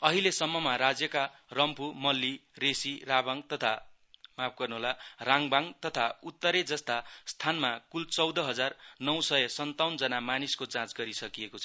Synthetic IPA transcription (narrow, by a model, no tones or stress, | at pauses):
ʌɦilesʌmːʌmaɾad͡zjʌkarʌmpumʌlːiresirabʌŋt̪ʌt̪ʰa | map̚ʰɡʌrnuɦolaraŋbaŋt̪ʌt̪ʰaut̪ːʌɾed͡zʌst̪ast̪ʰanmakult͡sʌwd̪ʌɦʌd͡zarnʌwsʌjesʌnt̪awnd͡zʌnamaniskot͡sãt͡sɡʌɾisʌkijekot͡sʰʌ